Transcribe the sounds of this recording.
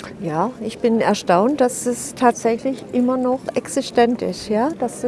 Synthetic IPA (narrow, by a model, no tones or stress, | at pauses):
jaːɪçb̥ɪnɛɐʃtaʊnt̚d̥asd̥ɛstʰaːtz̥ɛçlɪçʔɪmɐnɔχʔɛksɪʃtɛntɪ̰stjaːd̥as